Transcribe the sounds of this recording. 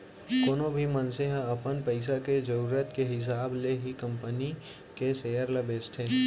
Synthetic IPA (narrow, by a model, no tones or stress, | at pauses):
koːnobʱimənseɦãɐpənpəɪs̬aked͡ʒɐɾuːɾət̪keɦɪs̬aːbleɦikɐ̃mpəni | keseːəɾlɐbeːsʈ̪ʰeː